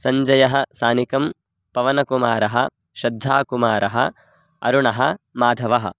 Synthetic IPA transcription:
sɐɲd͡ʒɐjɐɦɐ̆saːnikɐm | pɐʋɐnɐkumaːɾɐɦɐ̰ | ʃɐd̪ʱːaːkumaːɾɐɦɐ̰ | ɐ̰ɾuɳɐɦɐ̆maːd̪ʱɐʋɐɦɐ̰̆

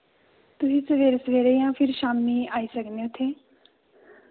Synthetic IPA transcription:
t̪ʊsĩːsəʋeːɾsəʋeːɾeːjãːpʰɪɾʃaːmniːaːiːsəkd̪eʊt̪ʰːeː

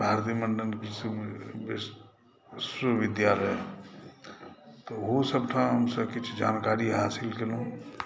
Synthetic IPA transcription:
bʱaɾt̪iməɳɖənsbes | səʋɪd̪jaləj | t̪oɦosəb̚ʈʰãɦəmsəbkit͡ʃʰd͡ʒaːnkaɾiɦaːsilkelũ

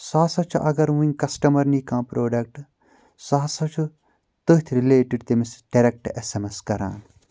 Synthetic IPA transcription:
saːsɐt͡ʃʰuʔɐɡɐɾʋunʲkɐsʈɐmɐɾnikãːpɾʔoːɖɐk̚ʈ | saːsɐt͡ʃʰu | t̪ot̪ʰɾileːʈiɖt̪emisɖɐɾek̚ʈesemeskɐɾa̰ːn

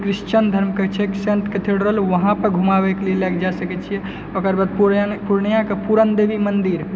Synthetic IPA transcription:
kɾiʃt͡ʃənd̪ʱəɾmkət͡ʃʰɛksẽnʈket̪ʰeɽɾəɦəlʋəɦãpəɾɡʱumabɛkelelaɡd͡ʒasəkɛt͡ʃʰijɛ | okəɾbad̪̚pupuɾɳjãkepuɾənd̪ebimənd̪iɾ

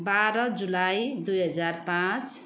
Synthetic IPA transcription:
baɾʌd͡zulajd̪ujɦʌd͡zarpãt͡s

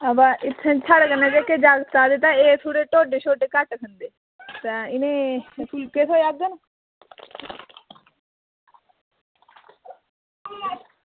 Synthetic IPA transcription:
əbaːʔɪt̪ʰːãːt͡ʃʰaɽkənẽːd͡ʒeːked͡ʒaːɡt̪aːd̪et̪ãːeːt̪ʰoːɽeːʈoːɖeːt͡ʃʰoːɖeːkəʈkʰənd̪eː | t̪ãːɪnẽːpʰʊlkeːt̪ʰoːjaːɡ̚d̪ən

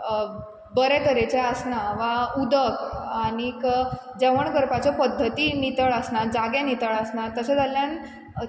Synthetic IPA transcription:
bəɾɛkəɾet͡ɕeəsnaʋaud̪əkaɽ̃ikd͡zəʋəɳɡəɾpat͡ɕɔpəd̪ʱːət̪iːnit̪əɭəsnad͡zaɡẽnit̪əɭəsnat̪əɕed͡zaljan

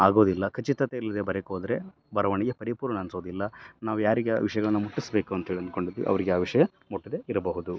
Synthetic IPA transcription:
aːɡo̞ːd̪ilːɐkʰɐt͡ʃit̪ɐt̪eilːɐd̪ebɐɾekoːd̪ɾe̞ | bɐɾɐʋɐɳɛɡepɐɾipuːɾʋɐɳɐɐnso̞ːd̪ilːɐnaːʋujaːɾiɡeʋiʂɐjɐɡɐɭɐnːɐmuʈːisbe̞ːkuɐnt̪ɐɦeɭiɐnd̪̚ko̞ɳɖid̪ːiʋḭɐʋɐɾiɡeaːʋiʂɐjɐ | muʈːid̪eiɾɐbɐɦud̪u

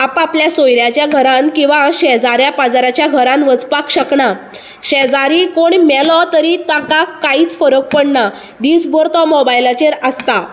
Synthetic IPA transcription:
apapljasojɾjat͡ɕjaɡʱəɾãnkĩw̃ʋaɕɛd͡zaɾjapad͡zaɾat͡ɕjaɡʱəɾãnʋəd͡zpakɕəkɳa | ɕɛd͡zaɾikoɳmɛlɔt̪əɾit̪akakːaiːt͡sfəɾək̚pəɽɳa | d̪iːsbɔɾt̪ɔmɔbajlat͡ɕeɾəst̪a

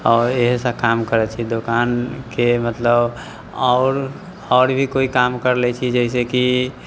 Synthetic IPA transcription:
ɔːɾeɦsə̃kamkəɾɛt͡ʃʰid̪okankemət̪ləb | ɔʊɾ | ɔːɾbʱikoikamkəɾlɛt͡ʃʰid͡ʒəɪs̬eki

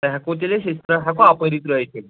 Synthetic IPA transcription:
t̪ɦakot̪eleɕest̪ɾəɦakoapəɾiːt̪ɾəjt͡ɕʰe

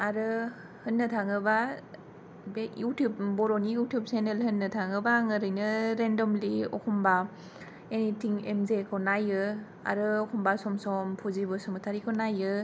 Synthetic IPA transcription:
aɾɯ | hɯnːɯtʰaŋɯba | bejutjup̚bɔɾɔnijutjup̚senelhɯnːɯtʰaŋɯbaŋɯɾɯjnɯɾendɔmliɔ̰kʰɔmba | enitʰiŋemzekʰɔnajɯ | a̰ɾɯɔkʰɔmbasɔmsɔmpʰuzibɯsɔmɯtʰaɾikʰɔnajɯ

